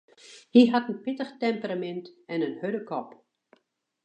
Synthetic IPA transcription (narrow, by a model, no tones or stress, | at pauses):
hiɦatənpɪtəxtɛmpəramɛntɛnənhødəkɔp